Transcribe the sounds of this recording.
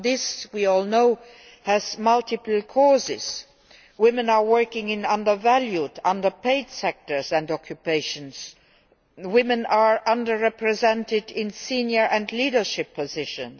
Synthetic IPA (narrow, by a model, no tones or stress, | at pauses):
ðɪswiɔlˠnoʊ | hæzmʌltɪpl̩ˠkʰɔzɪ̰z̥ | wɪ̃mə̃na˞wɜ˞kɪ̃ŋɪ̃nʌ̃ndə˞væljudʌ̃ndə˞pʰeɪdsɛk̚tə˞zæ̃ndɔkʰjupeɪʃə̃ns | wɪ̃mə̃naɹʔʌ̃ndə˞ɹɛpɹɛzɛ̃ntɪdɪ̃nsĩnjə˞ʔæ̃ndliːɾə˞ʃɪpʰːɔzɪʃə̰̃n